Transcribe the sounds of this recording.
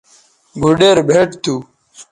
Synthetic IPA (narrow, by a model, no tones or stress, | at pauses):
bʱuɖeːɾbʱeʈt̪ʰu